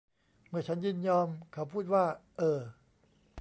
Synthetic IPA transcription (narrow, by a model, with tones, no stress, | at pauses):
mɯ˥˩ɐt͡ɕʰa˦˥njɯː˥˩njɔː˧mkʰa˧˥˩pʰuː˥˩t̪̚waː˥˩ʔɤː˧˩